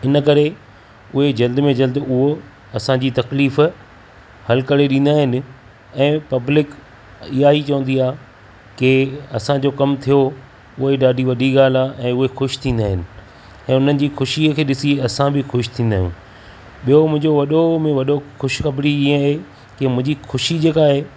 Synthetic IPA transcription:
ɪnəkɐɾe | ʊɦed͡ʑɐld̪mẽd͡ʑɐld̪ʊɦo | ɐsãd͡ʑiːt̪ɐkliːf | hɐlkɐɽeɗĩːnd̪aːɦɪnɪ̆ | ɛ̃ːpɐblɪk | ɪɦait͡ɕɐʋə̃nd̪iaː | kɪɐsãd͡ʑokɐmt̪ʰijo | ʊɦeɗaːɖʱiʋɐɗʱiɣaːlaʔɛ̃ːʊɦexʊʃt̪ʰĩːnd̪aːɦɪnɪ̆ | ɛ̃ːʊn̤ənɪ̆d͡ʑiːxʊʃikʰeːɗɪsiɐsãbɪxʊʃt̪ʰĩːn̆d̪aːɦjʊ̰̃ː | ɓijomʊ̃ɦɪ̃ɲd͡ʑoʋɐɗomẽʋɐɗoxʊʃxɐbɽiiẽɦe | kemʊ̃ɦɪ̃ɲd͡ʑixʊʃid͡ʑeːkaːɦeː

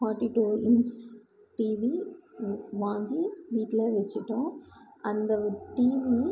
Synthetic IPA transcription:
faːʈːiʈuːɪns | ʈiːʋi | ʋaːŋɡiʋiːʈːleːʋɛt͡ʃːɪʈːõːɐnd̪ɐʈiːʋi

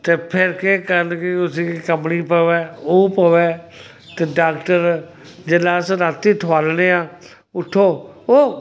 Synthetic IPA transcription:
t̪eːpʰɪɾkeːkəɾnkiʊsĩːkikəmniːpəʋɛːoːpəʋɛː | t̪eːɖaːkʈəɾ | d͡ʒelaːsɾat̪ːiːt̪ʰʋaːlneːãː | ʊʈ̪ʰːoːoː

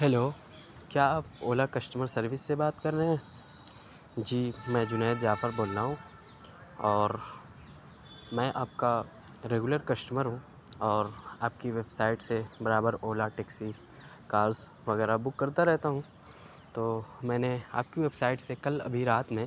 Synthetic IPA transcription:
ɦɛloː | kjaːaːp̚oːlakɐsʈəməɾsɐɾʋɪsːebaːt̪kɐɾneɦɛ̃ː | d͡ʒiːmɛ̃ːd͡ʒʊnɛːt̪d͡ʒaːfəɾboːlnaɦũ | ɔːɾ | mɛ̃ʔaːp̚ka | ɾeːɡʊləɾkɐsʈəməɾɦũ | ɔːɾaːp̚kiʋeːbsaːɪʈsebɐɾaːbəɾoːlaʈeːksi | kaːɾs | ʋɐɣɛːɾabʊkːɐɾt̪aɾɛɦt̪aɦũ | t̪oːmɛ̃ːnea̰ːp̚kiʋeːbsaːɪʈsekɐlɐ̰bʱiɾaːt̪mẽ

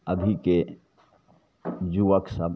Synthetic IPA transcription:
əbʱike | d͡ʒuʋəksəb

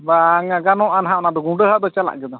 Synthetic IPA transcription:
baŋaɡanɔʔanɦaʔnad̪ɔɡuɖəɦaʔd̪ɔt͡ʃala̰ʔɡɛd̪ɔ

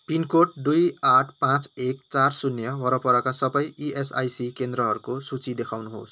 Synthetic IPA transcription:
pinkoʈ̚d̪ujaʈʰpãt͡sekt͡sarsunjʌwʌɾʌpʌɾʌkasʌbʌjiʔesa̰jsikend̪rʌɦʌɾukosut͡sid̪ekʰawnuɦo̰s

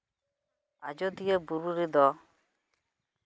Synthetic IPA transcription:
a̰d͡ʒɔd̪ijəbuɾuɾid̪ɔ

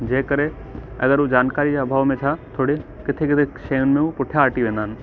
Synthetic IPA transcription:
d͡ʒeːkəɾe | ɐ̰ɡəɾud͡ʒaːnkaːɾid͡ʒeəbʱaːʋmẽt͡ʃʰat̪ʰoːɽe | kɪt̪ʰekɪt̪ʰeʃeʊnmẽupʊʈʰjaːʈiʋẽːnd̪aːn

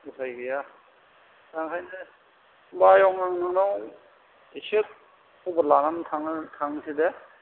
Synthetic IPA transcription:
usajɡɯja | taŋkʰajnɯ | bajɔŋaŋnɯŋnɔŋ | isit̚ | ublanantʰaŋtʰaŋside

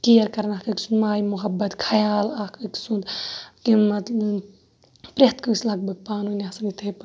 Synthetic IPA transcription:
kiɐɾkɐɾnakɨksunmaːjmuɦɐbːɐt̪kʰɐjaːlaːkɨksund̪kinmɐt̪ | pɾet̪kɨslɐɡ̚bɨpaːnunʲasɐnit̪ʰɐjp

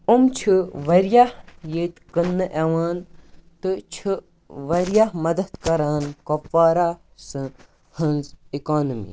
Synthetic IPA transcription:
umt͡ʃʰɨʋɐɾjahjeːt̪kənːɨʔeʋaːnt̪ɨt͡ʃʰɨ | ʋɐɾjahmɐd̪ɐd̪kɐɾaːnkopːaːɾaː | sɨ̃ | hɐnzikaːnɐmḭː

